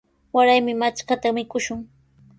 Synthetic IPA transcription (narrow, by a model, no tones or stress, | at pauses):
waɾajmɪmat͡ʃkat̪amɪkʊʃʊŋ